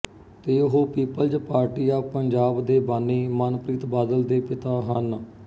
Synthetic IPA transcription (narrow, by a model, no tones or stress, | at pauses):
t̪eːʊɦoːpiːpəld͡ʒpaːɾʈiːaːpəɲd͡ʒaːbd̪eːbaːnːiːmənpɾiːt̪baːd̪əld̪eːpɪt̪aːɦən